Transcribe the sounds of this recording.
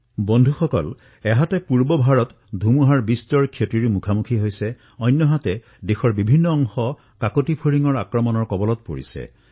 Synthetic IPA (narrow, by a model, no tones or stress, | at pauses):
bɔndʱuxɔkɔ̰l | ɛɦatɛpuɹbɔbʱaɹɔt | dʱumuɦaɹbistɔɹkʰjotiɹimukʰamukʰiɦojsɛ | ɔjnːɔɦatɛ | dexɔɹbibʱinːɔːŋxɔ | kakotipʰoɹiŋɔɹakɹɔmɔnɔɹkɔbɔlɔt̚po̰ɹḭsɛ̰